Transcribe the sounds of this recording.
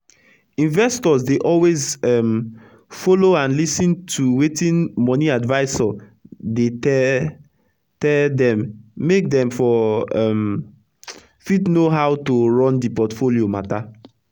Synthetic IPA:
ĩnvɛstɔzdeʔɔlwezɛm | foloãnlisĩntʰuwetĩnmɔniadvaɪsɔ | detɛ | tɛldɛ̃mːek̚dɛ̃mfɔɛm | fitnoɦawtoɹɔ̃ndipɔtfoliomata

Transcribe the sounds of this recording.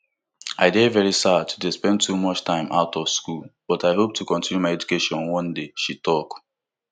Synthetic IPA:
aɪdevɛɹisadtʰudespɛ̃ntʰumɔt͡ʃtʰãɪ̃ma̰ʊtʰɔv̥skulb̥ɔtaɪɦop̚tʰukɔ̃ntĩnjumaɪɛd͡ʒukeʃɔ̃nwɔ̃ndeʃitʰɔk

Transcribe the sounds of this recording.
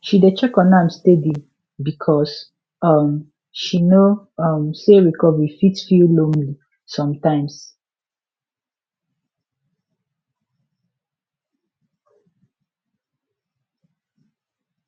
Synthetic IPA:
ʃidet͡ʃɛkɔ̃nãmstedi | bikʰɔs | ʌm | ʃino | ʌmseɹikɔvɹifitsfillõmli | sɔ̃mtãɪ̃ms

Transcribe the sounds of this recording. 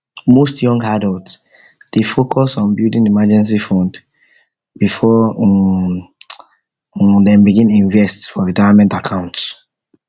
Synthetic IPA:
mostjɔ̃ŋɡadɔltsd̥efokʰɔsɔ̃nbildĩŋdimad͡ʒɛ̃ns̬ifɔ̃nd | bifɔ | dɛ̃mbiɡĩnĩɱvɛstfɔɹidavamɛ̃ntakʰãʊ̃nts

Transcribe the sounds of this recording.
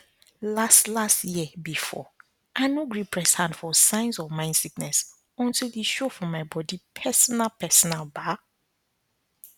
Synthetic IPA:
lastlastjiəbifɔ̰ | ʔaɪnoɡɹipʰɹɛshãndfɔsãɪ̃nzɔvmãɪ̃nd̥siknɛs | ɔ̃ntildiʃofɔmaɪbɔdipʰɛsɔnalpʰɛsɔnalba

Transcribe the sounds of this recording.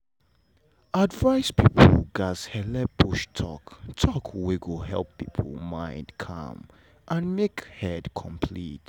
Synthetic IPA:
ʔadvaɪspʰipʰəl̩ɡazhɛlɛbuʃtʰɔ̰ktʰɔkʰwiɡoɦɛ̰lˠpːipʰl̩mãɪ̃ndkʰʌ̰̃m | ʔãnmekhɛdkʰɔ̃mpʰlḭt

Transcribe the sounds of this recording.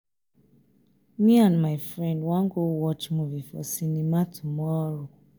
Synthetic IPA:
mĩãnmafɹɛ̃ndwãŋɡowɔt͡ʃmũvifɔ̰sinĩmatʰumɔɾu

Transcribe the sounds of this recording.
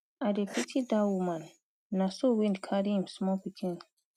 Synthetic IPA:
adepʰitʰidawumãn | nãsowindikʰaɾimsmɔ̃pikʰĩn

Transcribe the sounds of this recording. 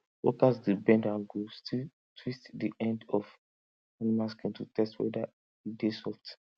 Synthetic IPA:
wo̰kasdibɛ̃ndãnɡostʰil | tʰwistdiʔɛ̃ndɔf | animãskɛ̃ntutɛstwɛ̰da | idesɔft

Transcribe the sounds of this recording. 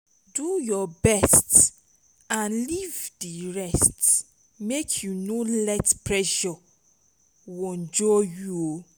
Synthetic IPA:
dujɔbɛst | ãnlivdiɹɛst | mekʰjunolɛtpɹɛʃɔ | woɔ̃nd͡ʒɔjuo

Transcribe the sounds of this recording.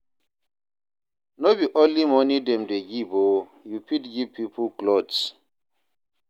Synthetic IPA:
nobiʔɔlimɔnidɛmdeɡibojupitɡivpipʰuklɔds

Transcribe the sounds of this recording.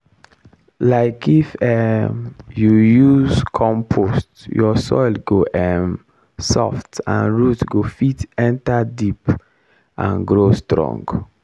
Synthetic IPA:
laɪkifɛmjujuzkʰɔ̃mpʰostjɔsɔ̰ɪlɡoʔɛm | sɔ̰ftã̰nɹutɡofitɛ̃ntadip | ʔã̰nɡɹostɹɔ̰̃ŋɡ

